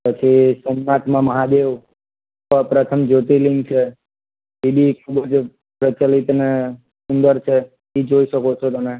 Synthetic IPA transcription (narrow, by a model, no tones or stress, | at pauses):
pət͡ʃʰisəmnat̪mãməɦad̪eʋ | əpɾət̪ʰəmd͡ʒot̪iliŋɡt͡ʃʰe | ibikʰubəd͡ʒ | pɾət͡ʃalit̪ne | sund̪əɾt͡ʃʰe | id͡ʒoiʃəkot͡ʃʰot̪one